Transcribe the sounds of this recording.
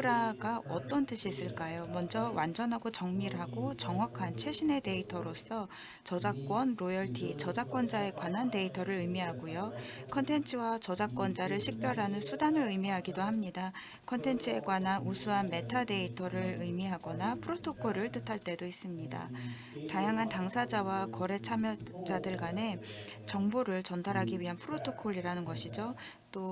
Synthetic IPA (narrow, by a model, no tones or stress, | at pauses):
ɾaɡaʌt͈ʌnt͈ɯɕʰiːs͈ɯɭk͈ajomʌnd͡ʑʌwand͡ʑʌnɦaɡot͡ɕʌŋmiɾɦaɡot͡ɕʌŋɦwakʰant͡ɕʰwe̞ɕʰine̞de̞itʰʌɾos͈ʰʌ | t͡ɕʌd͡ʑak͈wʌnɾojʌɭtʰit͡ɕʌd͡ʑak͈wʌnd͡ʑae̞ɡwanɦande̞itʰʌɾɯɾɯjmiɦaɡojokʰʌntʰe̞nt͡ɕʰɯwat͡ɕʌd͡ʑak͈wʌnd͡ʑaɾɯɭɕʰik̚p͈jʌɾɦanɯnsʰudanɯɾɯjmiɦaɡidohamɲida | kʰʌntʰe̞nt͡ɕʰɯe̞ɡwanɦanusʰuɦanme̞tʰade̞itʰʌɾɯɾɯjmiɦaɡʌnapʰɯɾotʰokʰoɾɯɭt͈ɯtʰaɭt͈e̞dois͈ɯmɲida̰ | tajaŋɦantaŋsʰad͡ʑawakwʌɾe̞t͡ɕʰamjʌd͡ʑadɯɭɡwane̞ | t͡ɕʌŋboɾɯɭt͡ɕʌndaɾɦaɡiɥiɦanpʰɯɾotʰokʰoɭːiɾanɯnɡʌɕʰid͡ʑo | t͈o